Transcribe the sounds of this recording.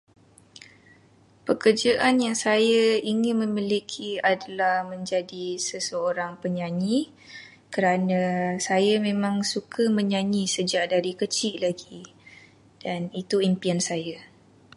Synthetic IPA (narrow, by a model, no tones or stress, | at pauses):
pəkərd͡ʒaʔanjaŋsajaiŋɪnmə̃milikʰiadalahmə̃ɲd͡ʒadisəsəoɾaŋpəɲãɲi | kəɾanãsajamẽmãŋsukʰəmə̃ɲãɲĩsəd͡ʒaʔdaɾikət͡ʃɪʔlaɡi | d̥anit̪uimpiansaja